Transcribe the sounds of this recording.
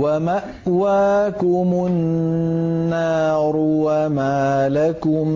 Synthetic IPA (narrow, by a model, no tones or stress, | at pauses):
amaʔ | waːkʊmʊnː | aːɾʊwamaːlakʊm